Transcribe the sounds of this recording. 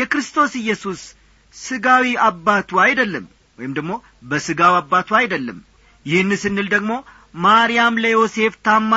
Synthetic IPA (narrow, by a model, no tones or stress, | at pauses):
jɛkɾɨst̪ʰo̞sɨjːɛsusː | ɨɡawiabːat̪ʰwajd̪əlːəm | wɔjɪmd̪əɡmo̞ | bəsɨɡawabːat̪ʰwajd̪əlːə̰m | jɪhɨnːɨsɨnːɨld̪əɡmo̞ | maɾijamləjo̞se̞ft̪ʰamːa